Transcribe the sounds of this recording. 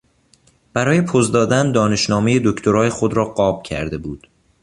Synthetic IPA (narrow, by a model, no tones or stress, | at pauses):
b̥æɾɒːjepʰozd̪ɒːd̪ænd̪ɒːne̞ʃnɒːmejed̪okcʰt̪ʰoɾɒːjexod̪ɾɒːɢɒːb̥̚cʰæ̰ɾd̪e̞buːd̪̥